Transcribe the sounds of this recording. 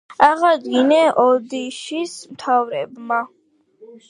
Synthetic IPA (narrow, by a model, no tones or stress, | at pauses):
aʁad̪ɡinɛʔɔd̪iʃismt̪ʰavɾɛbma